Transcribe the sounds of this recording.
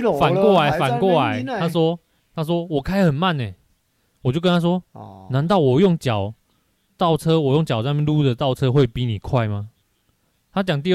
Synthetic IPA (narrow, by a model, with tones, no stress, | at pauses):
fa˨nkwɔ˥˨la˨˧˦ɪfa˨˩nkwɔ˥˨la˨˦ɪt̪ʰa˦˥swɔ˦˥ | t̪ʰa˦˥s̬wɔ˥wɔ˨˩kʰa˥ɪxə˨˩nma˥˨ne˨˩ | wɔ˨˩t͡ɕjo˥˧ʊkə˦nt̪ʰa˥swɔ˦˥nã˧˦nt̪ɑ˥˨ʊwɔ˨˩jɔ˥˨ŋt͡ɕja˨˩˦ʊ | t̪ɑ˥˨˩ʊt͡sʰɤ˦wɔ˨˩jɔ˥˩ŋt͡ɕjɑ˨˩a˥˧˥mjlu˥˨d̪ə˨t̪ɑ˥˨ʊt͡sʰɤ˦xwe˥˩ɪpi˨˦ni˨˩kʰwa˥˩ɪma˨˦ | t̪ʰa˦˥t͡ɕjɑ˨˩ŋt̪̬i˥˧